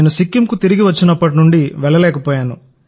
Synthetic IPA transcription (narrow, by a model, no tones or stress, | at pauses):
nusikːimkut̪iɾiɡiʋɐt͡ʃːinɐpːɐʈ̬inuɳɖiʋɛɭːɐlɛːkɐpɔːjaːnṵ